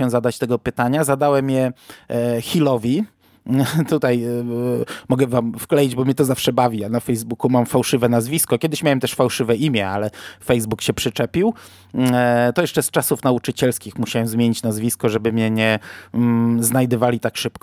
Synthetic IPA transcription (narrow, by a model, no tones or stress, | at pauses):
ɛzad̪at͡ɕt̪ɛɡɔpɘt̪aɲazad̪awɛmjɛ | xʲilɔvʲi | t̪ut̪aj | mɔɡɛvamfklɛjid͡ʑbɔmɲɛt̪ɔzafʂɛbavʲijanafɛjzbukumamfawʂɘvɛnazvʲiskɔkʲɛd̪ɘɕmʲawɛmt̪ɛʂfawʂɘvɛʔimʲjɛalɛfɛjzbukɕɛpʂɘt͡ʂɛpʲiw | t̪ɔjɛʂt͡ʂɛst͡ʂasufn̪aut͡ʂɘt͡ɕɛlskʲixmuɕawɛmzmʲjeɲit͡ɕnazvʲiskɔʐɛbɘmɲɛɲɛ | znajd̪ɨvalʲit̪akʂɘpk